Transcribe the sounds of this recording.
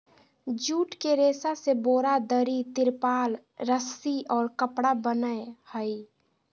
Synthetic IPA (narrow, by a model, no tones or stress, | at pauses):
d͡ʒuːʈkeɾeːsaseboːɾad̪əɾit̪ɪɾpaːl | ɾəsiɔːɾkəpɽabənəehəi